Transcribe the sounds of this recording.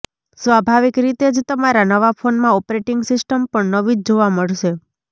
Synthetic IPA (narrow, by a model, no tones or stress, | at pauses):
sʋabʱaʋikɾit̪ed͡ʒt̪əmaɾanəʋafonmãɔpɾeʈɪŋɡsɪsʈəmpəɳnəʋid͡ʒd͡ʒoʋaməɭʃe